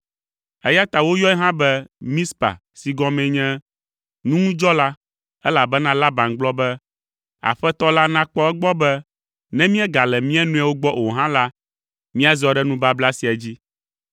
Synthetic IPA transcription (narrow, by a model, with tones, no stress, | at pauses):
ɛ˦ja˦t̪a˨wo˦jɔ˦ɛ˦ɦã˦bɛ˦mĩ˦spa̰˨ | si˨ɡɔ̃˦mɛ̃˨ɲɛ̃˦ | nũ˦ŋũ˦d͡ʒɔ˦la˦ | ɛ˦la˨bɛ˦nã˦la˦bã˨nɡ͡blɔ˦bɛ˦ | a̰˨ɸɛ˦t̪ɔ˦la˦nã˦k͡pɔ˦ɛ˦ɡ͡bɔ˦bɛ˦ | nɛ̃˦mĩ˦ɛ˦ɡa˨lɛ˨mĩ˦ɛ˦nũ˦a˨wo˦ɡ͡bɔ˦ʔo˨ɦã˦la˦ | mĩ˦a˦zɔ˦ɖɛ˦nũ˦ba˦bla˦si˨a˨d͡ʑi˦